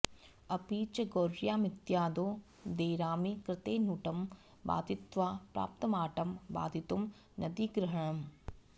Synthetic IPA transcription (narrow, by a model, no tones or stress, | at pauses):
ɐpiːt͡ʃɐɡoːɾjaːmɪt̪jaːd̪oː | d̪eːɾaːmikɾɪt̪eːnuːʈɐm | ba̰ːd̪ʱɪt̪ʋaːpɾa̰ːp̚t̪ɐmaːʈɐmba̰ːd̪ʱit̪um | nʔɐd̪iɡɾɐɦɐɳ̃ɐm